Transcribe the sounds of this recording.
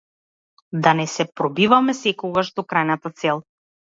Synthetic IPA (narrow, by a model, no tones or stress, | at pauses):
d̪anɛsɛpɾɔbivamɛsɛkɔɡaʃd̪ɔkɾajnat̪at̪sɛlˠ